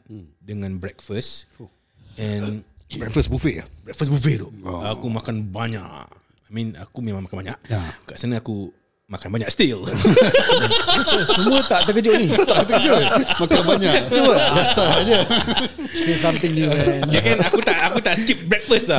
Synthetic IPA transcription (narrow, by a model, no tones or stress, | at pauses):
dəŋãnbɾɛkfəs | ɛ̃nbɛkfəsbufebɾɛk̚fəsbufet̪ɔʔakumakanbaɲa̰ʔ | ajmĩna̰kumẽmãŋmakanbaɲaʔkaʔsənəaku | makanbaɲaʔst̪il | sumũət̪aʔt̪əkəd͡ʒoʔnit̪aʔkut̪əkəd͡ʒomakanbaɲauwəbasaɲə | sesamt̪ɪ̃ŋjujakanakut̪aʔakut̪aʔskip̚bɹɛk̚fəsa